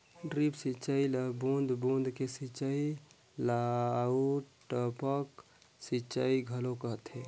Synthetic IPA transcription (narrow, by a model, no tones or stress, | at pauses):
ɖɾipsit͡ʃaːiləbõːnd̪ʱbõːnd̪kesit͡ʃai | lauʈəpək | sit͡ʃaːiɡʱəlokəɦət̪ɦɛː